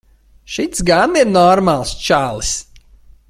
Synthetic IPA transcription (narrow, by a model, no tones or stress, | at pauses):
ʃit̪sɡaniɾnɔɾmalˠst͡ʃaːlˠɨs